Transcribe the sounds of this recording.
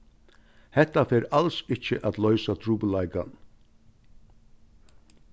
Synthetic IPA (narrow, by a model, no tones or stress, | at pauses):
hɛt̪ːafeːɾalsɪt͡ʃəʔat̪lœʏsat̪ʰɾuːbəlaɪka̰n